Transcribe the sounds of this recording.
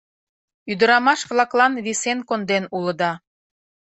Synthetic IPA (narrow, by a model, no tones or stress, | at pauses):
yd̪əɾɑmɑʃβlˠɑklɑnβisenkond̪enuləd̪ɑ